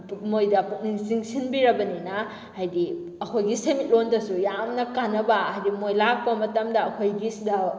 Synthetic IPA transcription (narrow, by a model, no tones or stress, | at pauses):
mojdɐpuk̚niŋsiŋsinbiɾɐbɐninɐ | hajdi | ɐkʰojɡisemit̚londɐsujamnɐkanːɐbɐɦajdimojlak̚pɐmɐtɐmdɐːkʰojɡisdɐ